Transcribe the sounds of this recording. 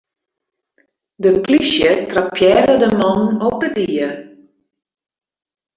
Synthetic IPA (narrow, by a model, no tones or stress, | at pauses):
dəplisjətrapʰjɛrədəmɔnɔp̚ədiə